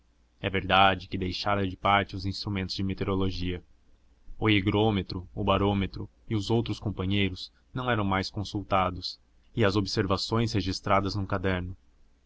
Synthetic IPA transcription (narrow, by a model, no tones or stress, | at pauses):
ɛveɾd̪ad͡ʒɪkɪd̪ejʃaɾɐd͡ʒɪpaɾt͡ʃɪʊzĩst̪ɾumẽnt̪ʊzd͡ʒɪmet̪eɾoloʒiɐ | ʊiɡɾomet̪ɾʊʊbaɾomet̪ɾʊ | ɪʊzowt̪ɾʊskõmpɐ̃ɲejɾʊz̥ | nɐ̃w̃ɛɾɐ̃w̃majskõsuwt̪ad̪ʊs | ɪɐzobɪseɾvasõj̃sheʒist̪ɾad̪ɐznʊ̃kad̪ɛɾnʊ